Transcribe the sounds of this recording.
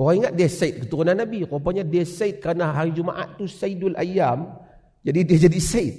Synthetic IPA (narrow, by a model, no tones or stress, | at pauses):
ɔaiŋat̪̚dɛsait̪̚kət̪uɾunanːabikap̬aɲadɛsajt̪̚kanaɦaɾid͡ʒuma̰ʔa̰t̪ːusaidʊla̰jam | d͡ʒadidiad͡ʒadisait̪̚